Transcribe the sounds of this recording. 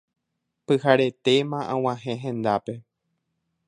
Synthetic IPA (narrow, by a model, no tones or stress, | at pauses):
pɨhaɾe̞t̪e̞mãʔãw̃ãɦẽɦẽ̞nd̪ape̞